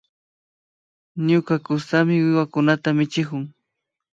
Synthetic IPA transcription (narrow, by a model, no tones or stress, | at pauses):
ɲʊkakʊst̪amɪwɪwakʊnat̪amɪt͡ʃɪkʊŋ